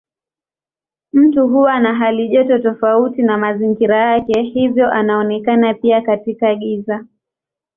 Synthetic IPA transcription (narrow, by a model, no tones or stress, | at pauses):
m̩tuɦuanaɦaliʄɔtɔtɔfautinamaziŋɡiɾajakɛhivjɔʔanaɔnɛkanapiakatikaɠiza